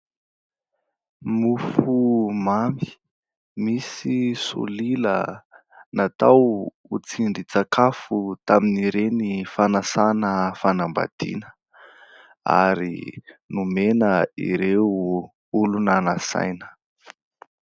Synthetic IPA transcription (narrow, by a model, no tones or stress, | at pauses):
mufumami̥ | misisṵlilə̰ | nat̪aw | ut͡siɳɖ͡ʐit͡sakafut̪aminiɾenifanasanəfanamba̰d̪̥ḭnə | a̰ɾḭnumenəḭɾeu | ulunanəsa̰jnə̥